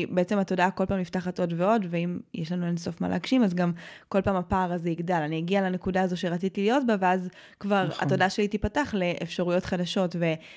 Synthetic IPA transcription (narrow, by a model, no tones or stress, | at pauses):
beet͡se̞mato̞dako̞lpaːmliftaχato̞dve̞o̞dveimjeʃlanuenso̞fma̰la̰ɡʃimazɡamko̞lpaːmapaːʁazeiɡdalanijaɡialanekudaazo̞ʃeʁat͡sitilijo̞tbaveaz | kvaʁa̰to̞daʃe̞litipataχle̞ʔefʃaʁujo̞tχadaʃo̞tve̞